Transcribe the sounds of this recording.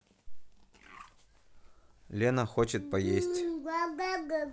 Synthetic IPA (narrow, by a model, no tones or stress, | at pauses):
lʲenəxot͡ɕɪt̪̚pɐjesʲtʲɡaɡaɡə